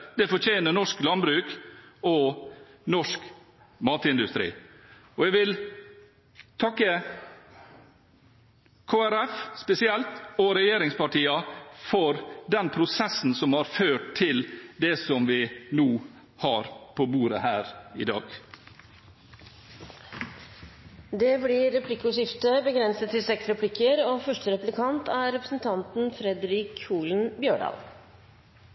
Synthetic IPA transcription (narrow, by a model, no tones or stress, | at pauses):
d̪̥ɛfɔɾt͡ʃʰeːnənɔʂklɑnbɾʉːkɔnɔʂk | mɑːt̪ɪnd̪ʉst̪ɾḭː | ɔɛɡʋɪl | t̪ʰɑkːə | kʰoːæɾɛfspɛsɪɛlt̪ɔɾɛjeːɾɪŋspɑʈiːɑfɔɾd̪ɛnpʰɾʊsɛsn̩sɔmhɑɾføːʈt̪ʰːɪld̪ɛsɔmʋɪnuː | hɑːɾpʰoːbuːɾə̰hæːɾɪ̰d̪ɑ̰ːɡ | d̪ɛːblɪɾɛpʰlɪkːʊʂɪft̪əbəɡɾɛnsət̪ʰːɪlsɛksɾɛpʰlɪkːəɾoːfœʂʈəɾɛplɪkʰɑnt̪ʰæɾɛpɾəsn̩t̪ʰɑnt̪n̩fɾɛd̪ɾɪkuːln̩bjøːɖɑ̰ːl